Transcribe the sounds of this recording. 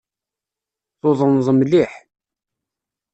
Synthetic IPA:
θoðˤənzˤəmliħ

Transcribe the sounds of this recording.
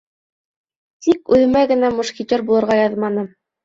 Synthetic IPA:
t̪ikʉðɘ̆mæɡɘ̆næmŏʃkit̪ʲoɾbulˠɤ̆ɾʁɑjɑðmɑnɤ

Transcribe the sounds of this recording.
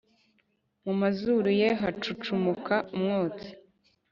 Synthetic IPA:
mumazuɾuje̞ɦat͡ʃut͡ʃumukʰaumŋoːt͡si̥

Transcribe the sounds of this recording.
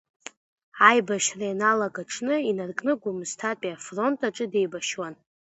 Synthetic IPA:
ajbaʃrajanalaɡaʈ͡ʂʰnɨinarkʼnɨɡʷʊmztʰatʼiafro̞ntʼaʈ͡ʂʼɨde̞jbaʃwan

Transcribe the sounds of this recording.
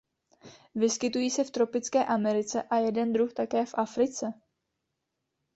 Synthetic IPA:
vɪskɪt̪ujiːsɛft̪ɾo̞pɪt͡skɛːʔamɛɾɪt͡sɛʔajɛdɛnd̪ɾuxt̪akɛːfʔafɾɪt͡sɛ

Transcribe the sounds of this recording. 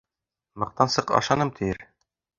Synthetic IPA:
mɤ̆q̚t̪ɑnsɤqɑ̰ʃɑnɤmt̪ʰɘ̆jɘɾ

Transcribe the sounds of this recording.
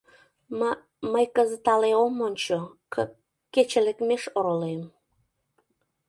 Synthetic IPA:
məjkəzət̪ɑleomonʲt͡ɕo | kːet͡ɕelekmeʃoɾolem

